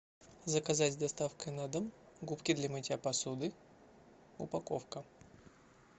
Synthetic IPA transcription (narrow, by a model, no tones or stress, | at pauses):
zəkɐzatʲzd̪ɐst̪afkəjnad̪ɨm | ɡupkʲɪd̪lʲɐmɨtʲapɐsud̪ɨ | ʊ̰pɐko̰fkə